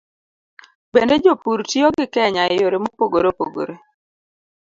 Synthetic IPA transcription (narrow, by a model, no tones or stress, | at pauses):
bended͡ʒopuɾtioɡɪkɛɲaɪjoɾemopoɡoɾopoɡo̰ɾe